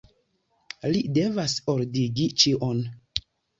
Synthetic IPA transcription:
lide̞vasoɾdiɡit͡ʃiʔon

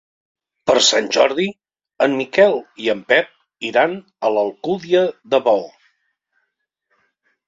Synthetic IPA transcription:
pəɾsanʲʒɔɾði | əmːikɛlˠiəmpɛp̚ | iɾan | ələlˠkuðiəðəβɔl

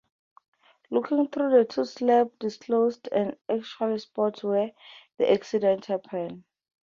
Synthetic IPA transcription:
lukʰĩŋθrudətʰuslɛp̚diskʰlosdɛ̃nak̚t͡ʃʰualispɔtʰwɛdḭʔaksidɛ̃ntʰhɛpʰɛn

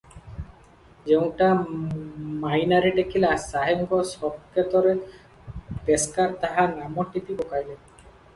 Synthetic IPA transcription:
d͡ʑeunʈa | majnaɾeɖekʰilasaɦeŋɡosɔb̚kʰet̪oɾe | peskaɾt̪aɦanamoʈit̪ipokajle

